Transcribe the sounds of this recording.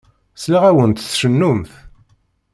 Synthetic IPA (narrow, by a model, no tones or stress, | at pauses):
slaʁæwənt̪θʃənːʊmθ